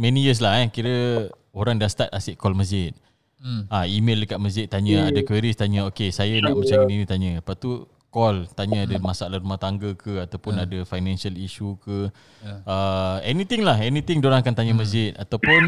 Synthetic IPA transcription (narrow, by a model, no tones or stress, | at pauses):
mɛnijəs̬laɦɛkiɾə | oɾaŋdast̪at̪asɪʔkɔlməzɪt̪̚ | aimeldəkaʔ̚məzɪt̪̚ːaɲə̃adakweɾist̪aɲə̃okesajana̰ʔmə̃t͡ʃaɡəninĩt̪aɲə̃paʔ̚t̪u | kɔlt̪aɲəadəmasaalahɾumaht̪aŋɡəkʰəat̪awpʊnadəfajnãnsialiʃukə | əɛnit̪ɪŋlaɦɛnit̪ɪŋdoɾaŋakant̪aɲəməzɪt̪̚at̪awpʊn